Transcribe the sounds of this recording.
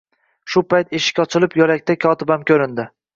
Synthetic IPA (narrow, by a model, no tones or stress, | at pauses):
ʃʊpajt̪eʃɪ̥kʲɒt͡ʃʰɪlɪpjɒɾakʲt̪akʲʰɒt̪ɪbamkʲʰɵɾɪnd̪ɪ